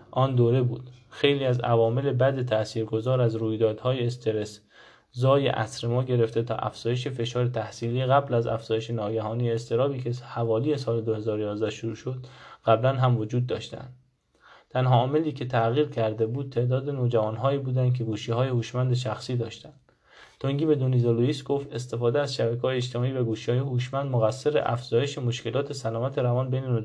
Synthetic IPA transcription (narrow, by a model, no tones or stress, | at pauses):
ʔɒːnd̪oːɾe̞buːd̪̥xe̞jliːæzævɒːme̞lebæd̪et̪ʰæsiːɾɡo̞zɒːɾæzɾuːjd̪ɒːd̪̥hɒːjeːst̪ʰe̞ɾes | zɒːjḛʔæ̰sɾemɒːɟe̞ɾe̞ft̪e̞t̪ʰɒ̰ːʔæ̰fz̥ɒːjeʃefe̞ʃɒːɾet̪ʰæhsiːliːeɣæblæzæ̰fz̥ɒːjeʃenɒːɡæɦɒːnijeːst̪e̞ɾɒːbiːkʰehævɒːliːje̞sɒːled̪ohe̞zɒːɾojɒːzd̪æhʃoɾuːʃo̞d̪ɣ̥æblænɦæmvo̞d͡ʒuːd̪ːɒ̰ːʃt̪æ̰nd̪ | t̪ʰænɦɒːme̞liːkʰe̞t̪ʰæɣiːɾcʰæɾd̪ebuːd̪̥̚t̪ʰe̞ʔd̪ɒːd̪enod͡ʒævɒːnɦɒːiːbuːd̪ænd̪̚k̬ʲʰe̞ɡuːʃiːɦɒːjehuːʃmænd̪eʃ̬æxsiːd̪ɒːʃt̪ænd̥̪ | t̪ʰoŋɟiːbed̪onizoloiːsɡo̞ft̪e̞st̪e̞fɒːd̪eæzʃæbækʲʰɒːjeːʃt̪ʰe̞mɒːiːbæɡuːʃihɒːjehuːʃmænd̪moɣæsːe̞ɾḛʔæ̰fz̥ɒːje̞ʃemoʃke̞lɒːt̪ʰe̞sælɒːmæt̪ʰe̞ɾævɒːnbejneno